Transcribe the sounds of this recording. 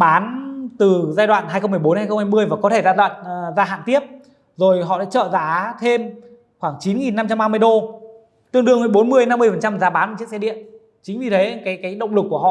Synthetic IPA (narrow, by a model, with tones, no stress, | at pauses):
ɓaː˨˦nt̪ɨ˨˩zaː˧jɗwa̰ː˧˨nɦaː˧jxə˧wŋ͡mmɨ˧˩əjo˨˦nhaː˧jxə˧wŋ͡mhaː˧mɨ˧əjvaː˨˩kɔ˨˦t̪ʰe˧˩zaː˧ɗwa̰ː˧˨nzaː˧ɦa̰ː˧˨nt̪i˦˥əp̚ | zo˨˩jɦɔ̰˧˨ɗa̰ː˧˥t͡ɕə̰ː˧˨zaː˧˨˦t̪ʰe˧m | xwaː˧˩ŋt͡ɕi˨˦nŋi˨˩nːa˧mt͡ɕa˧mɓaː˧mɨ˧əjɗo˧ | t̪ɨ˧əŋɗɨ˧əŋəː˨˧˦jɓo˨˦nmɨ˧əjna˧mːɨ˧əjfə˨˩nt͡ɕa˧mzaː˨˦ɓaː˨˦na˧˨˩t͡ɕəksɛ˧ɗḭ˧˨ən | t͡ɕï˨˦ŋ̟vi˨˩t̪ʰə˨˦kaː˨˦jkaː˨˦jɗə˧˨wŋ͡mlɨ˨˩kːu˧˩əɦɔ̰˧˨